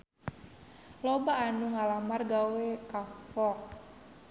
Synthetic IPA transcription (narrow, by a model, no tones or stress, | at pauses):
lobaːnuŋalamarɡawekafɔ